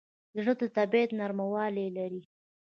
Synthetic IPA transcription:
d̪əʐəd̪ət̪abet̪naɾmawɑlelaɾi

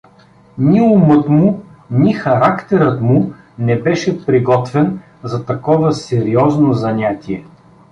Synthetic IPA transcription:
nʲiumɤt̪mʊnixɐɾakt̪ɛɾət̪mʊ | nɛbɛʃɛpɾiɡɔt̪vɛn | zɐt̪ɐkɔvɐsɛɾiɔznozɐnʲat̪ʲiɛ

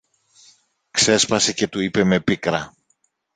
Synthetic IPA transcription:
kse̞spɐse̞ce̞t̪uipe̞me̞pikɾɐ

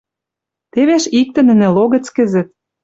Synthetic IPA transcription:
t̪eβeʃik̚t̪ɘ̆nə̆nĕloɣə̆t͡skə̆zə̆t̪̚

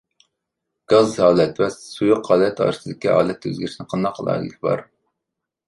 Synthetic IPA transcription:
ɡ̥ɑzhɑːlˠɛt̪wɛzsujʊqhɑːlɛt̪ʰɑ̰ːɾsɨd̪ɪkʲihɑ̰ːlˠɛt̪ʰø̰zɡʲɾʃinɪqʰɑnd̪ɑqʰːəlˠɑ̰jˠɪkʰʲbɑ̰ɾ

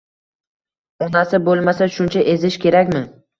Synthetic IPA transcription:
ɒnasɪbolˠmasaʃʊnt͡ʃʰaʔezɪʃkʲʰe̞ɾakʲmɪ

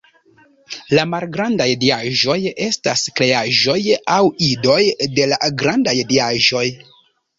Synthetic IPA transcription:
lamalɡɾandajdiaʒo̞je̞staskɾe̞aʒo̞jawido̞jde̞la̰ɡɾandajdiaʒo̞j

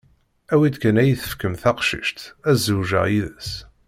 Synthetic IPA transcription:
æwid̪kænæjəθə̥fkəmθɑqʃḭʃt̪æzːuʒə̰ʁiðəs

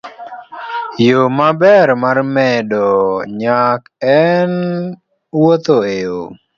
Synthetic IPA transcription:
jomabɛɾmarmɛdɔɲak | ɛn | wot̪oeo

